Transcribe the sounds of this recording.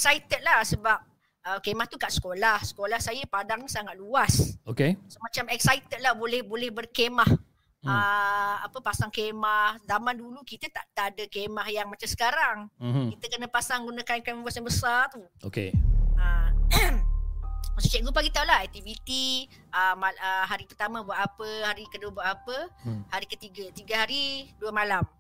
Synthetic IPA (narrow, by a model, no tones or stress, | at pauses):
ɛk̚sajt̪ət̪̚lahsəbap̚ | əkemaht̪ukaʔsə̥kolahsə̥kolahsajəpadaŋɲisaŋat̪̚luasokesmat͡ʃamɛk̚sajt̪ət̪̚lahbolɛhbolɛhbərkemah | əapəpasaŋkemahzamandulukit̪ət̪aʔt̪aʔːdəkemahjaŋmat͡ʃamsə̥kaɾaŋkit̪əkənə̃pasaŋɡunãkankanməbuasanbəsart̪u | okḛə | asu̥kaʔɡupaɡit̪aulahɛk̚t̪ivit̪i | ʔəmaəɦaɾipərt̪amãbuaʔ̪apəhaɾikəduəbuaʔ̪apəhaɾikət̪iɡat̪iɡaɦaɾiduəmalam